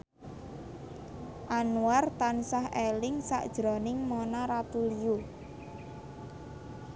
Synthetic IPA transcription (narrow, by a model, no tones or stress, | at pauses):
ʔanuart̪ansaɦelɪŋsa̰ʔd̥ʒ̥ɾɔnɪŋmonaɾat̪uliu